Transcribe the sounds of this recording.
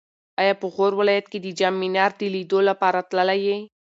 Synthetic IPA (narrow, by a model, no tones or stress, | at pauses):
ɑjɑpəɣoɾwɪlɑjat̪ked̪əd͡ʒamːinɑɾd̪əlid̪olapɑɾat̪ləlaje